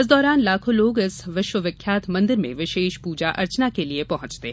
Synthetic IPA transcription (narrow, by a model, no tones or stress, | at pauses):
ɪs̬d̪ɔːɾaːnlaːkʰõloːɡɪsʋɪʃwəʋjɐkʰːjaːt̪ʰmɐ̃nd̪ɪɾmḛ̃ʋɪʃeːʃpuːd͡ʒaʔɐ̰ɾt͡ʃnakeliepɐɦʊ̃t͡ʃt̪eɦ